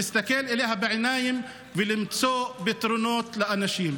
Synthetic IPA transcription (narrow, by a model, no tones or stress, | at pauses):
ɪst̪akeːlʔɪleːɦabɪʕɪnaːjɪm | vɪlɪmsoːʔbɪt̪ɾʊnoːt̪lɪʔanaʃiːm